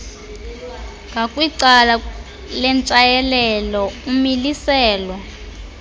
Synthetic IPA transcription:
ŋɡʱakʼwiǀala | lɛnt͡ʃʼajɛlɛlɔumilisɛːlwɔ

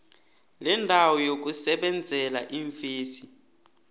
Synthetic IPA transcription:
lɛndʱawɔjok̬usɛɓɛnd͡zʱɛlaʔiɱfiːsi

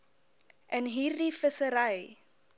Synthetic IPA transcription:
ʔənɦiːrdifəsəɾəj

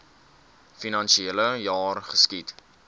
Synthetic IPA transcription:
finɐnʃieləjɑːrχəskit

